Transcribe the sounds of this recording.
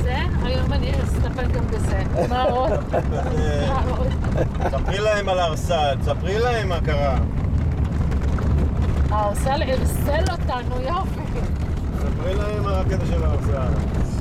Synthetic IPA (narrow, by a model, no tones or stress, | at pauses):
ze | ajomanistapelɡambezemaol | aol | sapʁilaemalaʁsalsapʁilaemːakaʁa | aːʁsaliʁselotanujafe | sapʁilaemaket̪aʃelːʁsal